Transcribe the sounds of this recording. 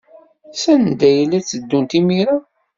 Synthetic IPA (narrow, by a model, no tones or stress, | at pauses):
sænd̪æjəlːæt͡sːəd̪ːunt̪imiɾa